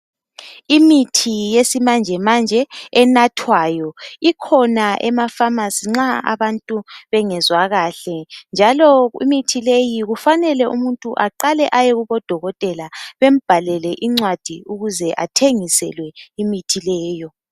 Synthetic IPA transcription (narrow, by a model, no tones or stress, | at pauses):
imitʰijesimand͡ʒʱɛmand͡ʒʱɛɛnatʰwajɔikʰɔnaʔɛmafamasiŋ͡ǁaa̰βantʼuβɛŋɛzwaɣaɬɛnd͡ʒʱalɔḭmitʰilejiɣufanɛlɛʔumuntʼuʔaǃalɛʔajɛɣuβɔd̥ʱɔɣɔtʼɛlaβem̩b̥ʱalɛlɛʔiŋ͡ǀwad̥ʱiuɣuzɛʔa̰tʰeŋisɛ̰lwɛimitʰilɛːjɔ